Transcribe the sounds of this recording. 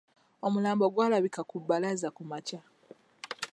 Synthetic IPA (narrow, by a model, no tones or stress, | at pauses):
o̞mulaːmbo̞ɡwaːlaβikakubːalazakumaca